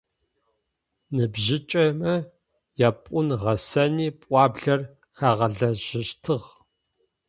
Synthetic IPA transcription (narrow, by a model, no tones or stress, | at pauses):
nɨbʑɪt͡ʃʼɐmɐ | japʷʼʊnʁɐsɐniːpʷʼɑːbɮɐr | xaːʁɐɮɐʒɪʃtʰɨʁ